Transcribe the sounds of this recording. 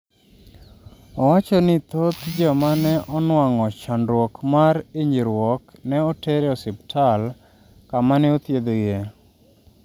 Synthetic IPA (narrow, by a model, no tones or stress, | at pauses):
ɔwat͡ʃɔnɪt̪ot̪d͡ʒamanɛʔɔnwaŋɔt͡ʃanɾwɔkmaɾɪɲd͡ʒiɾwɔknɛɔteɾɔsɪptʰal | kamaneot̪jed̪oje